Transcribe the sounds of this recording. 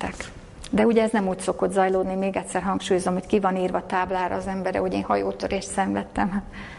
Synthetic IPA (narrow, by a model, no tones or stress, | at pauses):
ɛk | d̪ɛuɟɛɛznɛmuːcso̞ko̞d̪zɒjloːd̪nimeːɡɛt̪ʲsɛrɦɒŋkʃuːjozomho̞ckivɒniːrvɒt̪aːblaːɾɒ̰ːzɛmbɛɾɛ̰ho̞ɟeːnhɒjoːt̪øɾeːʃt̪sɛɱvɛt̪ːɛm